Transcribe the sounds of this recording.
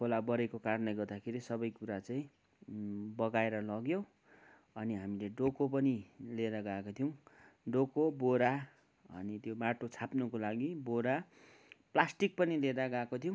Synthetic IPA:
kʰolabʌɾekokarnʌjɡʌrd̪akʰeɾisʌbʌjkuɾat͡saĩ | bʌɡaeɾʌlʌɡjo | ʌniɦamileɖokop̬ʌnileɾʌɡakot̪ʰjw̃ɖokoboɾa | ʌ̰nit̪jomaʈot͡sʰapnukolaɡiboɾa | plasʈik̚pʌniled̪aɡakot̪ʰijõ

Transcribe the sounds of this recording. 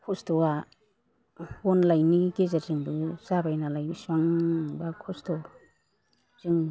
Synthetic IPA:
kʰɔstoa | onlajnikezaɾzɯŋbɯsabajnalajbiswaŋbakʰɔsto | z̥ɯŋ

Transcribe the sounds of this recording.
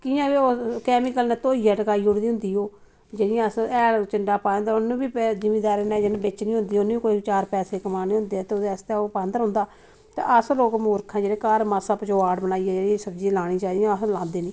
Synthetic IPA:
kiãːʋeoːkɛːmikəlneːt̪oːiːɛːʈəkaːiːʊɽd̪iːɦʊnd̪iːoː | d͡ʒeːɽɪjãːəsɛːlt͡ʃəɳɖaːpãːnd̪aːʊnũːbiːpːd͡ʒɪmiːd̪aːɾeːnɛːd͡ʒəñːbɪt͡ʃnĩːɦʊ̃nd̪iːoñːkoːit͡ʃaːɾpɛːseːkəmaːniːɦʊ̃nd̪eːɛːt̪eːʊd̪eːəst̪ɛopãːnd̪əɾɦʊ̃nd̪aː | t̪ḛːʔəsloːkmoːɾkʰãːd͡ʒeːɽeːkaːɾmasəpt͡ʃoːaːɖbənaːiːɛːd͡ʒeːɽiãːsəbd͡ʒiːlaːɽiːt͡ʃaːd̪ijãəslãːnd̪eːniː

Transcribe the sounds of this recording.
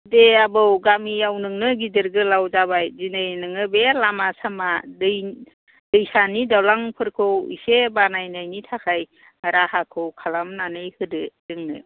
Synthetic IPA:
deabɯwɡamiawnɯŋnɯɡidɯɾɡɯlawzabajzinɯjnɯŋɯbelamasamadɯj | dɯjsanidawlaŋpʰɯɾkʰɯwḭsebanajnajnitʰakʰaj | haɾahakʰɯwkʰalamnanɯjhɯdɯɾɯŋnɯ

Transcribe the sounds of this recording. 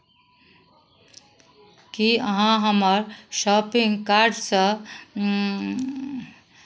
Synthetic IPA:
kiəɦãɦəməɾʃɔpiŋɡkaɾɖsə

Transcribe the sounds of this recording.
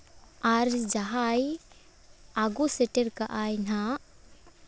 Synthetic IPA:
aɾd͡ʒaɦaj | aɡusɛʈɛɾkaʔajna

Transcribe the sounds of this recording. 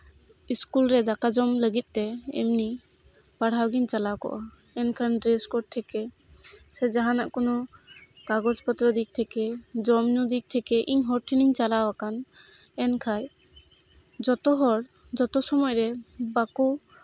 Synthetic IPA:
iskulɾɛd̪akad͡ʒɔmləɡit̪̚ˀt̪ɛɛ̰mni | paɽ̤awɡiɲt͡ʃalawkɔ̰ʔa | ɛnkʰanɖɾeskɔɖ̚t̪ʰɛkɛ | sɛd͡ʒaɦanaʔkɔnɔ | kaɡɔd͡ʒpɔt̪ɾɔd̪ik̚t̪ʰɛkɛd͡ʒɔmnud̪ik̚t̪ʰɛkɛʔiɲɦɔɾʈʰiniɲt͡ʃalawakan | ɛnkʰaj | d͡ʒɔt̪ɔɦɔɽ | d͡ʒɔt̪ɔsɔmɔjɾɛbaku

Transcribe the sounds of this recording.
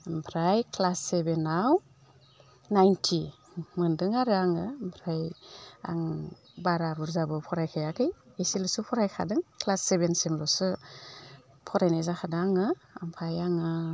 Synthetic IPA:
mpʰɾajkʰlasːebenaw | najntʰi | mɯndɯŋaɾɯaŋɯmpʰɾaja̰ŋ | baɾaɾuɾzabɯpʰɔɾajkʰajakʰɯjesilɯsupʰɔɾajkʰa̰dɯŋkʰlasːebensemlɔsɯ | pʰɔɾajnazakʰadɯaŋɯa̰mpʰajaŋɯ

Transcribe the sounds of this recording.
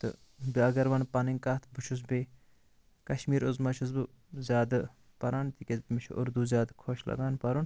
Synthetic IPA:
t̪ɨ̰ | biɐɡɐɾʋɐnpɐniŋʲkaːt̪ʰbut͡ʃʰus̬be | kɐʃmiːɾuzmɐt͡ʃʰus̬bɨ | zʲjaːd̪ɨ | pɐɾaːnt̪ikʲɐzbmiʃʰṵʔʊɾd̪uːzʲjaːd̪kʰoːʃlʔɐ̰ɡaːnpɐɾun

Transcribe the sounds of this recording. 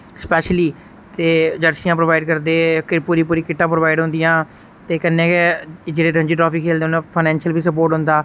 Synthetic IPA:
spɛːʃliː | t̪eːd͡ʒəɽsijãːpɾoːʋaːɪɖ̚kəɾd̪eːkɪpuːɾiːp̬uːɾiːkɪʈːãːpɾoːʋaːɪɖɦʊ̃nd̪ijãː | t̪eːkənːẽːked͡ʒeːɽeːɾəɲd͡ʒiːʈɾɔːpiːkʰeːld̪eːonãːpʰaɪnɛ̃ːnʃəlbiːsəp̬oːɾʈɦʊ̃nd̪aː

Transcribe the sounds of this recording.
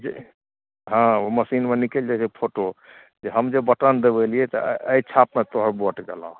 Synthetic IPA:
d͡ʒḛ | ɦãoməsinmenikeld͡ʒad͡ʒepʰoʈo | d͡ʒeɦəmd͡ʒebəʈənd̪ebelijɛt̪ɔ̰əjt͡ʃʰapmet̪oɦəɾbɔʈɡelɔ̰̃

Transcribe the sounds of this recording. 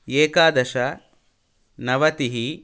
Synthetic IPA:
eːkaːd̪ɐʃɐ | nɐʋɐt̪iɦi

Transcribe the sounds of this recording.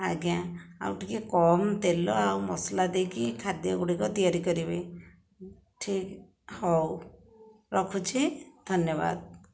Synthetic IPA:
a̰ɡjãa̰wʈikekɔmt̪elɔawmɔslad̪ekikʰad̪jɔɡuɽikɔt̪ijaɾikɔɾibe | ʈʰik | hɔw | ɾɔkʰut͡ʃʰid̪ʱɔnjɔβa̰d̪̚

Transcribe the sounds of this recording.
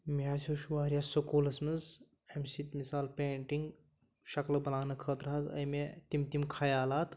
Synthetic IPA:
miaːsʲoʃuʋaːɾjaːsokoːlɐsmɐz | ɐmsit̪misaːlpʲẽːɳʈiŋɡ | ʃɐklɐbɐlaːnɐkʰəːt̪ɾɐɦazɐ̰jmet̪imt̪imkʰajaːlaːt̪

